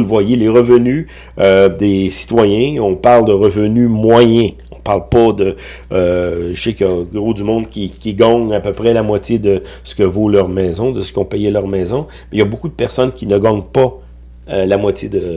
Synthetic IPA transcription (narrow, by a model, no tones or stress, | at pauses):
lvwajeleʁəvəny | ød̪esi̥t̪wajɛ̃ɔ̃paʁld̪əʁəvənymwajɛ̃ | ɔ̃paʁlpʌd̪əː | ʒsekjɑɡʁod̪ymɔ̃d̪kʲikʲiɡɑ̃ŋapøpʁɛlamwat͡sjed̪ə | sə̥kəvolœʁmɛːzɔ̃d̪əsə̥kʲɔ̃pɛjelœʁmɛzɔ̃ | mɛjabokud̪əpɛʁsɔnkʲinəɡɑ̃ːŋpa | ølamwat͡sjed̪ə